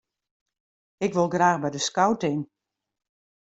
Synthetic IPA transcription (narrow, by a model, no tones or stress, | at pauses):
ɪkʋolˠɡraːxbɛjdəskawtɪn